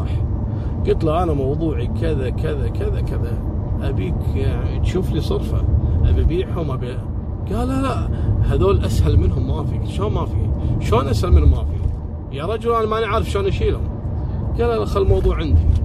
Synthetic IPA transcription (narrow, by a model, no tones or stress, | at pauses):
ɑħ | ɡ̥ʊt̪laʔanamɑwðˤuːʕikʰɪðakʰɪðakɪðakɪðaʔabiːkt̪ʃuːflisˤɨɾˤfa̰ʔabibiːħhʊmʔabi | ɡ̥aːlalaʔhaðoːlʔashalmɪnɦʊmːafiʃoːnmafḭːʃoːnʔashalmɪnhʊmːafḭ | jaɾˤɑd͡ʒʊlʔanamanaʕɾɪfʃoːnʔaʃiːlhʊ̰m | ɡ̥aːlːalaxalːmɑwðˤuːʕɪnd̪ḭ